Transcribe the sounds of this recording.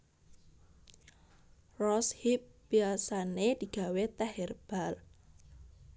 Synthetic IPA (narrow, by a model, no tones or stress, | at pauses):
rɔship̚b̥iasaned̪̥i̤ɡ̥a̤wet̪ɛɦɛrb̥al